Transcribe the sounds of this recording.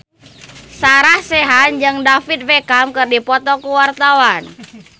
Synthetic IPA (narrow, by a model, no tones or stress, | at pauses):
saɾahsɛɦand͡ʒɨŋdafit̪̚vɛkamkɨrdipɔt̪ɔkuwart̪awan